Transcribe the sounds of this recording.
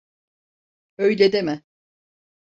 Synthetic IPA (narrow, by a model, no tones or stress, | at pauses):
øjlʲed̪emɛ